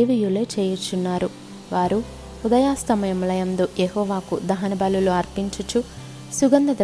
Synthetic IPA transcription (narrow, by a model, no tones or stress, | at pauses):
eːʋijulet͡ʃeːjut͡ʃːunːaːɾu | ʋaːɾu | ud̪ɐjaːst̪ɐmɐjɐmulɐjɐnd̪uʔjeɦɔːʋaːkud̪ɐɦɐnɐbɐluluɐɾpiɲt͡ʃut͡ʃu | suɡɐnd̪ɐd̪